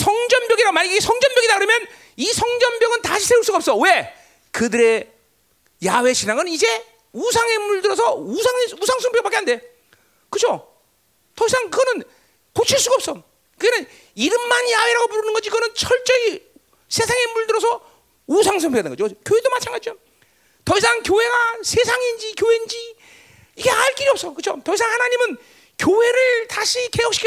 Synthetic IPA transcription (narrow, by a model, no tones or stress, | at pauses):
sʰʌŋd͡ʑʌmbjʌɡiɾaɡomaɲiiɡesʰʌŋd͡ʑʌmbjʌɡidakɯɾʌmjʌn | isʰʌŋd͡ʑʌmbjʌɡɯntaɕʰi̥sʰe̞uɭs͈uɡaʌps͈ʌwe̞ | kɯdɯɾe̞ | jawe̞ɕʰinaŋɯnid͡ʑe̞ | us̬ʰaŋe̞muɭdɯɾʌsʰʌusʰaŋusʰaŋsʰʌŋpʰjʌk̚pak͈eɦande̞ | kɯd͡ʑʰo | tʌisʰaŋkɯɡʌnɯn | kot͡ɕʰiɭs͈uɡaʌp̚s͈ʌ | kɯɡenɯn | iɾɯmːaɲiaweɾaɡopuɾɯnɯnɡʌd͡ʑikɯɡʌnɯnt͡ɕʰʌɭt͡ɕ͈ʌi | sʰe̞sʰaŋe̞muɭdɯɾʌsʰʌ | usʰaŋsʰʌpʰiɡadnɯnŋɡʌd͡ʑjokjoɦe̞domat͡ɕʰaŋɡad͡ʑid͡ʑo | tʌisʰaŋkjoɦe̞ɡasʰe̞sʰaŋind͡ʑikjoɦend͡ʑi | iɡe̞aɭk͈iɾiʌp̚s͈ʌkɯt͡ɕʰotʌisʰaŋhanaɲimɯn | kjoɦe̞ɾɯɭtaɕʰike̞jʌk̚ɕ͈ʰi̥kʰ